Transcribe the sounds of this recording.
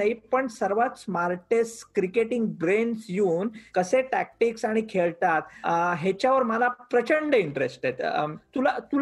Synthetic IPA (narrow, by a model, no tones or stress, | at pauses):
aɦipəɳsəɾʋat̪smaɾʈeskɾikeʈiŋɡ̚bɾensjuːnkəseʈæk̚ʈiksaɽ̃ikʰeɭt̪at̪ɦet͡ɕjaʋəɾməlapɾət͡ɕəɳɖəiɳʈɾesʈet̪t̪ulat̪ul